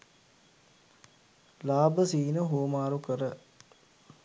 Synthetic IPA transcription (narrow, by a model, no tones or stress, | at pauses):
laːbəsiːnəɦumaːɾukəɾə